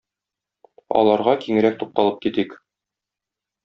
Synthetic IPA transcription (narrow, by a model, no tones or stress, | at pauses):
ɒ̰lˠɑɾʁɑkiŋɘ̆ɾæk̚t̪uq̚t̪ɑlˠɤp̚kit̪ik